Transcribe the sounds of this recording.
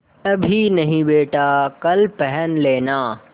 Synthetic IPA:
ɐbʱinɐɦĩɓeːʈaːkɐlpɐɦənleːnaː

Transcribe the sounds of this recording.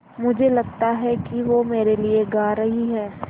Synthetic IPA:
mʊd͡ʒʱelɐɡ̚t̪aɦɛkiʋomeːɾelieɡaːɾɐɦiɦɛː

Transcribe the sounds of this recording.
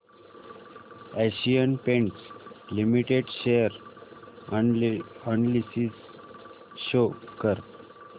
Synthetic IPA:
æɕijənpẽɳʈslimiʈeɖɕeəɾ | əɳlisis | ɕokəɾ

